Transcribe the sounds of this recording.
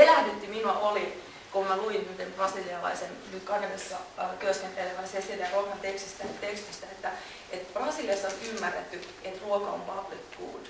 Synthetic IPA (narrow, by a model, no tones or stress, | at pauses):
elæhnyt̪ːiminuɑʔoli | kommæluinnyt̪embrɑsiliɑlɑ̰isennyt̪kɑkenesːɑk̪yøskent̪eleʋænsesilæruokɑnt̪ekst̪ist̪æt̪ekst̪ist̪æet̪ːæ | et̪b̥rɑsiːliɑsːɑonymːærːet̪ːy | et̪ruokɑo̰mpɑb̥likːṵːd̥